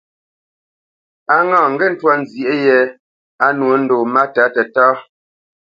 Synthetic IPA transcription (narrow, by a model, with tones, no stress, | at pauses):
a˨ŋãː˨ŋ̩˨ɡɛ˦˨n̩˦twa˦n̩˨zji˨e˦jɛ˦ | a˦nwo˨˦n̩˦do˨ma˦ta˨˦tɛ˨taː˦